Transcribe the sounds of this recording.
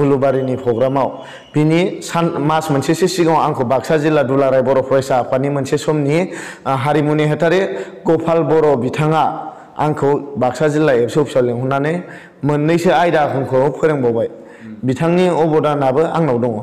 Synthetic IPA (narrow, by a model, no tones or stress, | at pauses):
ulubaɾinipʰɾɔɡɾamaw | b̥inisanmasmansesesiɡawaŋkʰɯwbak̚sazilːadulaɾajbɔɾɔpʰɔɾajsapanimɯnsesɔmniɦaɾimuneɦetaɾeɡɔpʰalbɔɾɔbitʰaŋa | a̰ŋkʰɯwbak̚sazilaepsɯwpʰi̥sawleŋɦunːanɯj | mɯnːɯjsɯajdakʰɯŋkʰɯpʰɯɾeŋbawbaj | bitʰaŋniɔbɔdanabɯaŋnawdɔŋɔ